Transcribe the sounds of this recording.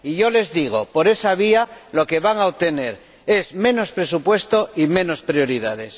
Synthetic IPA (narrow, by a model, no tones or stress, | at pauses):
iʝo̞le̞zðiɣ̞o̞po̞ɾe̞saβ̞ialo̞ke̞βaŋaoβ̚t̪e̞ne̞̰ɾ | e̞zmẽ̞no̞spɾe̞supwe̞st̪o̞imẽ̞no̞spɾjo̞ɾiðað̞e̞s